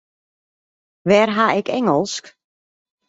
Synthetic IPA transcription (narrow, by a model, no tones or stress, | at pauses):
ʋɛːrɦaɛkɛŋəlˠsk